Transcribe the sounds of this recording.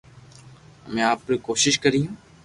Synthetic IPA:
mẽːaːpɾikoːʃɪʃkəɾiːɦũː

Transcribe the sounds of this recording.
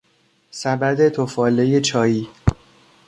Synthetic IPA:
sæbæd̪e̞t̪ʰofɒːle̞jet͡ʃʰɒːjiː

